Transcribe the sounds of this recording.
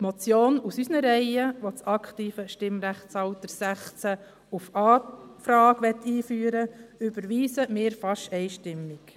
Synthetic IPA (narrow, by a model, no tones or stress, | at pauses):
t̪mɔt͡sjoːnusysnəɾɛɪəʋot͡sɑkχtiːfəʃtɪmɾæχt͡sɑʊt̪əɾsæχt͡sæ | ufɑːfɾɑːɡʋɛt̪ːiːfyːɾəʏb̥əɾʋiːsəmɪːɾfɑʃɛɪʃtɪmːɪk